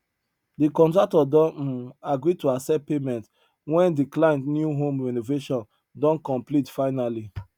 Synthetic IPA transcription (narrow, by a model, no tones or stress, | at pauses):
dikɔ̃ntɹak̚tɔdɔ̃n̩aɡɹituasɛpemɛ̃nt | wɛ̃ndiklãɪ̃ntnjuɦõmɹɛnoveʃɔ̃n | dɔ̃nkɔ̃mplitfaɪnali